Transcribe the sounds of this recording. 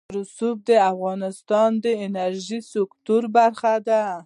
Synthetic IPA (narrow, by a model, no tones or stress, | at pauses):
ɾʊsub̚d̪əafɣɑnɪst̪ɑnd̪əɪnaɾʒisʊkt̪uɾbaɾxad̪a